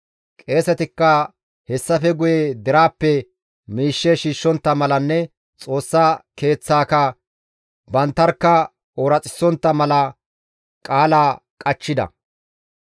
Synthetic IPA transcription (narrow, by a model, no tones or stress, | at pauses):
kʼe̞ːsɛt̪ɪkːɐ | hɛsːɐfɛɡʊjɛd̪ɪɾaːpːɛ | miːʃːɛʃiːʃːɔnt̪ːɐmɐlɐnːɛ | t͡sʼo̞ːsːaːke̞ːt͡sːaːkɐ | bɐnt̪ːɐɾkːɐ | oːɾɐt͡sʼɪ̥sːɔnt̪ːɐmɐlɐ | kʼaːlaː | kʼɐt͡ʃːɪd̪ɐ̰